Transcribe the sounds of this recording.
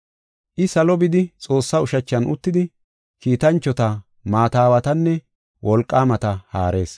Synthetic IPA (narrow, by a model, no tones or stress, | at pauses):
ʔɪsɐlɔbɪd̪ɪt͡sʼo̞ːsːaʊʃɐt͡ʃːɐnʊ̰t̪ːɪd̪ɪ | kiːt̪ɐnt͡ʃːɔt̪ɐ | maːt̪aːwɐt̪ɐnːɛ | wʔɔlkʼːaːmɐt̪ɐhaːɾe̞̰ːs